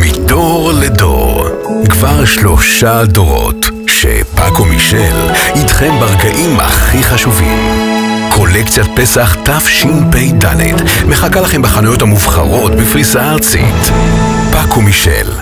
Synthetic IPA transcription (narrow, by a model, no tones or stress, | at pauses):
midoʁledo̰ʁ | kvaʁʃlo̞ʃadoʁo̞̰t | ʃḛpa̰komiʃelidχembaʁɡaʔima̰χiχaʃuvḭmkʰo̞lekt͡sjat̚pesaχtafʃinpejda̰lḛdmeχakalaχembaχanujo̞tamuvχa̰ʁo̞tbefʁisaːʁt͡sḭt | pakʰomiʃḛl